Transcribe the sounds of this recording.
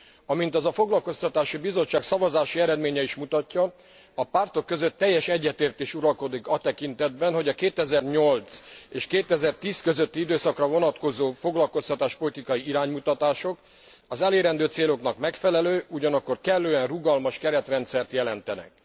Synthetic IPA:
ɒmint̪ɒzɒfo̞ɡlɒlko̞st̪ɒt̪aːʃibizo̞t͡ʃːaːksɒvɒzaːʃiɛɾɛd̪meːɲɛiʃmut̪ɒcːɒː | part̪o̞kːø̞zø̞t̪ːɛjːɛʃɛɟːɛt̪eːrt̪eːʃuɾɒlko̞d̪ikɒt̪ɛkint̪ɛd̪̚bɛnɦo̞ɟɒkeːt̪ɛzɛrɲo̞lt̪seːʃkeːt̪ɛzɛrt̪iːskø̞zøt̪ːiid̪øːsɒkrɒvo̞nɒt̪ko̞zoːfo̞ɡlɒlko̞st̪ɒt̪aːʃpo̞lit̪ikɒiiɾaːɲmut̪ɒt̪aːʃo̞k | ɒzɛleːɾɛnd̪øːt̪seːlo̞knɒkmɛkfɛlɛløːʔuɟɒnɒkːo̞rkɛlːøːɛnruɡɒlmɒʃkɛɾɛt̪rɛnt̪sɛrt̪jɛlɛnt̪ɛnɛ̰k

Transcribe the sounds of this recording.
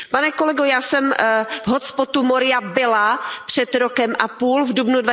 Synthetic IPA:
panɛkolɛɡojaːsɛmvɦot͡spot̪umoɾɪabɪlapr̝̥ɛt̪ɾokɛmʔapuːlvdubnudva

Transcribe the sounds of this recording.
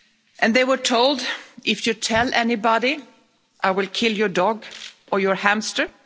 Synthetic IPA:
ʔɨ̃nðeɪwə˞tʰoʊlˠdʔɪfjɨtʰɛlɛnibɑɾi | ʔaɪwɪlˠkʰɪlˠjɔ˞dɔɡʔə˞jəɹhæ̃mstə˞

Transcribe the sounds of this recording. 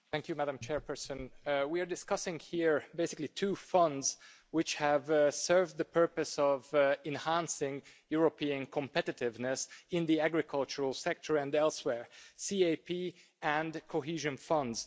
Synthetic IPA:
θæ̃ŋkjumædə̃mt͡ʃʰɛɹpʰə˞sə̃nwiəɹdɪskʌsɪ̃ŋhiɹbeɪsɪklitʰuːfʌ̃ndz̥ | wɪt͡ʃhəvsɜ˞vðəpʰɜ˞pɨsʌvɛ̃nhæ̃nsɪ̃ŋjuɹəpʰiɨ̃nkʰə̃mpɛɾɨɾɪvnɨsɪ̃nðiæɡɹɪkʰʌlˠt͡ʃəɹəlˠsɛk̚tʰə˞ɨ̃nɛlˠswɛɹsieɪpʰi | ɨ̃nkʰoɦiʒɨ̃nfʌ̃ndz̥

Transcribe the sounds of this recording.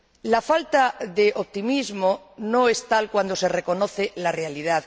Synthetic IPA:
lafalt̪aðeʔoβ̚t̪imizmo | noest̪alkwand̪ose̞reko̞noθelarealiðað

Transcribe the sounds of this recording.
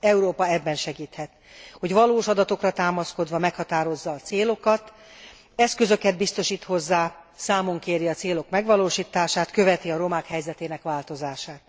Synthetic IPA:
ɛuɾoːpɒɛbːɛnʃɛɡiːt̪hɛt̪ | ho̞ɟʋɒloːʃɒd̪ɒt̪o̞krɒt̪aːmɒsko̞d̪ʋɒmɛkhɒt̪aːɾo̞zːɒːt̪seːlo̞kɒt̪ | ɛskøzø̞kɛd̪̚bist̪o̞ʃiːt̪ho̞zːaːsaːmo̞ŋkeːɾiɒt̪seːlo̞kmɛɡʋɒloːʃiːt̪aːʃaːt̪kø̞vɛt̪iɒɾo̞maːkhɛjzɛt̪eːnɛkʋaːlt̪o̞zaːʃaːt̪̚

